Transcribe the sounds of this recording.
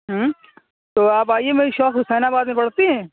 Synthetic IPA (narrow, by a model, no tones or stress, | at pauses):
ɦə | t̪oːaːpaːiemeːɾiʃɔːkɦʊsɛːnabaːd̪mẽpɐɽt̪iɦɛ̃ː